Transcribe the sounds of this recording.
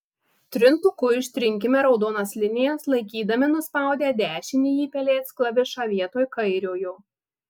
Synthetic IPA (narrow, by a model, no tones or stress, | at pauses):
t̪ʲɾʲɪnt̪ʊkʊɪʃʲt̪ʲɾʲɪŋʲkʲɪmʲɛɾɒʊd̪oːnɐslʲɪnʲɪjɛslˠɐɪkʲiːd̪ɐmʲɪnʊspɑˑʊd̪ʲeːd̪ʲæːʃʲɪnʲɪiːpʲɛlʲeːsklˠɐʋʲɪʃɑːʋʲiɛt̪oːjkɐɪɾʲoːjuː